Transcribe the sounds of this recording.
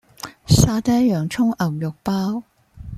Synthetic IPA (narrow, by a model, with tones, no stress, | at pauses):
saː˧t̪ɛː˥jœː˨˩ŋt͡ʃʰʊ˥ŋɐ˨˩wjʊ˨k̚paː˥w